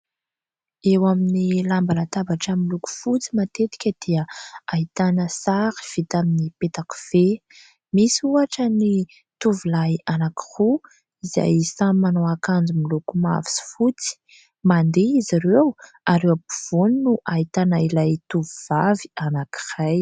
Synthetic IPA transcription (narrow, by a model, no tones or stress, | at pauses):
ewaminilambalat̪abaʈ͡ʂəmiluku̥fut͡simat̪et̪i̥kʲəd̪̥iəait̪anəsaɾi̥v̥it̪aminipet̪aku̥v̥e | misuaʈ͡ʂəni | t̪uvilajanaki̥ru | iza̰jsamanoakand͡zumilukuma̰vi̥si̥fut͡si̥ | mand̪eizaɾew | aɾewapuv̥uninuʔait̪anailajt̪uvuvavi̥anaki̥raj